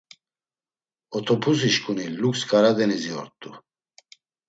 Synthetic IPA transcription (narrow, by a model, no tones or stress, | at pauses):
ɔt̪ʰɔpʰus̬iʃkʼunilukskʼaɾad̪ɛniziɔ̰ɾt̪ʼːu